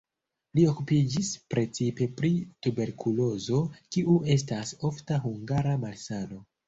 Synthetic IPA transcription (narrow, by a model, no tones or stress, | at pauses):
lio̞kupid͡ʒispɾe̞t͡sipe̞pɾitube̞ɾkʰulo̞zo̞kiue̞s̬tasoftaɦuŋɡaɾamalsano̞